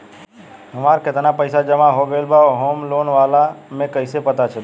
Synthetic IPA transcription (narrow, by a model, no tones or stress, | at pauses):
ɦəmaɾket̪napəɪsad͡ʒəmaɦoɡelbaoɦomlonʋalamẽkəɪsepət̪at͡ʃʰə